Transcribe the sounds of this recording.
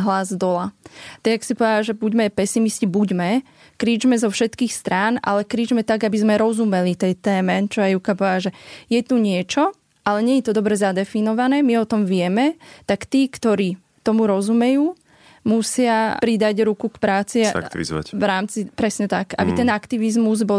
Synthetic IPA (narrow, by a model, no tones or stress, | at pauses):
ɦlazd̪ɔlat̪ɛɡaksipɔʋaaʒɛbuɟmɛpɛsimiscibuɟmɛ | kɾiːd͡ʒmɛzɔfʃɛt̪kiːxst̪ɾaːnʔa̰lɛkɾiːd͡ʒmɛt̪aɡabizmɛɾɔzumɛlit̪ɛjt̪ɛːmɛt͡ʃɔajjukapɔʋaaʒɛjɛt̪uɲɪɛt͡ʃɔ | ʔalɛɲɛɲɛt̪ɔd̪ɔbɾɛzad̪ɛfinɔʋanɛːmiɔt̪ɔmʋɪɛmɛt̪akt̪iːkt̪ɔɾiː | t̪ɔmuɾɔzumɛjuː | musɪapɾid̪aɟɾukukpɾaːt͡sḭḭza̰ʋɾaːmt͡sipɾɛsɲɛt̪aka̰bit̪ɛnakt̪iʋizmuzbɔ